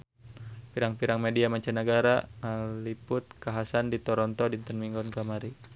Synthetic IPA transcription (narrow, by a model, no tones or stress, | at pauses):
piɾaŋpiɾaŋmediamaɲt͡ʃanəɡaɾalipʊt̪̚kaɦasandit̪ɔɾɔnt̪ɔdint̪ənmiŋɡɔnkamaɾi